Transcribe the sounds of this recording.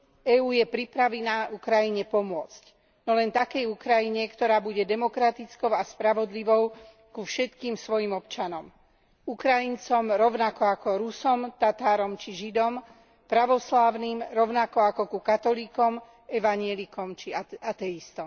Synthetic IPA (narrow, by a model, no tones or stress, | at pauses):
ɛuːjɛpɾipɾaʋɛnaːʔukɾajiɲɛpɔmʊɔt͡sc | nɔlɛnt̪akɛjukɾajiɲɛkt̪ɔɾaːbuɟɛd̪ɛmɔkɾat̪it͡skɔʊaspɾaʋɔd̪liʋɔʊ | kufʃɛt̪kiːmsʋɔjimɔpt͡ʃanɔm | ukɾajint͡sɔmɾɔʊnakɔakɔɾusɔmt̪at̪aːɾɔmt͡ʃiʒid̪ɔm | pɾaʋɔslaːʊniːmɾɔʊnakɔakɔkukat̪ɔlikɔm | ɛʋaɲɪɛlikɔmt͡ʃiaat̪ɛist̪ɔm